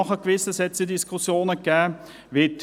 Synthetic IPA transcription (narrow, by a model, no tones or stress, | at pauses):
ɔχəɡ̥ʋɪsəsɛt͡sədɪskʰʊsjoːnəɡ̥ɛː | ʋɪt̪